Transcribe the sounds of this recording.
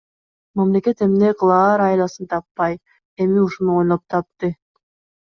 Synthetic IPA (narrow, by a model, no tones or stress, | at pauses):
mamle̞ke̞t̪e̞mneklˠɑːɾɑjlˠɑsɯnt̪ʰɑpːɑj | e̞miuʃunuo̞jnˠop̚t̪ʰɑp̚t̪ɯ